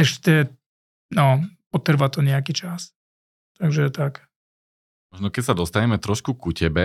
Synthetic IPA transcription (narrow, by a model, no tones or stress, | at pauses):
ɛʃcɛ | nɔpɔt̪r̩ʋat̪ɔɲɛakit͡ʃas | t̪aɡʒɛt̪ak | mɔʒnɔkɛcsad̪ɔst̪aɲɛmɛt̪ɾɔʃkukucɛbɛ